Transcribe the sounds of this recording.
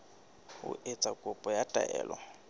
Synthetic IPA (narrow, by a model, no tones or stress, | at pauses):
ʊ̰ʔet͡sʼakʼʊpʼɔjatʼaʔɛːlɔ